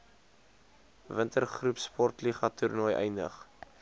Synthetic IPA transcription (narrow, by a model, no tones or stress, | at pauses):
vəntərχrupspɔrtliχɐtʰurnɔjʔɛ̰jndə̰χ